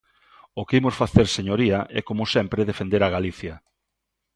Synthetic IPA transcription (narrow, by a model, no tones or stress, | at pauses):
okimʊsfaθeɾseɲoɾiɐʔɛ̰komʊsɛmpɾeðefend̪eɾaɣaliθjɐ